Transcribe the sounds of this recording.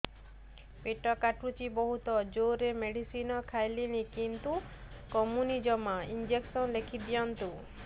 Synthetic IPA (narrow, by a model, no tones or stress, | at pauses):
peʈɔkaʈut͡ʃibɔɦut̪ɔd͡ʒoɾemeɽisinɔkʰajlinikint̪u | kɔmunid͡ʒɔmɔind͡ʒeksɔnlekʰid̪ijɔnt̪u